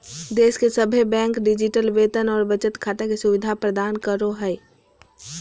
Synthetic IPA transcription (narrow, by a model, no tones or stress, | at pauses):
d̪eːskesəbʱebɛ̃ːŋkɖɪd͡ʒɪʈəlʋeːt̪ənɔːɾbət͡ʃət̪kʰaːt̪ekesʊʋɪd̪ʱapɾəd̪aːnkəɾoɦɛɛ